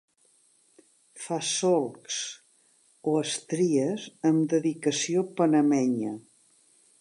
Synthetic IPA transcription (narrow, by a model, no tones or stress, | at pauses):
fasɔlˠks | oəst̪ɾiəzəmd̪əðikəsiopənəmɛɲə